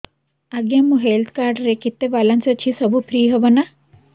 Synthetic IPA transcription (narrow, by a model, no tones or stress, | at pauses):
ɐɡjɐmːuɦelt̪ʰkaːɾɖɾekit̪ːeʋɐlɐnsɐt͡ʃʰisɐbupʰɾiːɦɐʋɐnɐ